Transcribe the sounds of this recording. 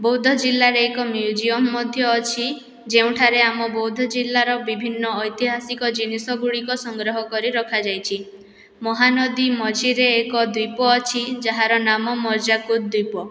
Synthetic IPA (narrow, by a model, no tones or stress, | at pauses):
bɔwd̪ʱɔd͡ʒilːaɾeekɔmjud͡ʒiɔmːɔd̪ʱjɔːt͡ʃʰi | d͡ʒeũʈʰaɾeamɔbɔwd̪ʱɔd͡ʒilːaɾɔbibʱinːɔːjt̪iɦasikɔd͡ʒinisɔɡuɽikɔsɔŋɡɾɔɦɔkɔɾiɾɔkʰad͡ʒajt͡ʃʰi | mɔɦanɔd̪imɔd͡ʒʱiɾeːkɔd̪wipɔːt͡ʃʰid͡ʒaɦaɾɔnamɔmɔɾd͡ʒakut̪̚d̪wipɔ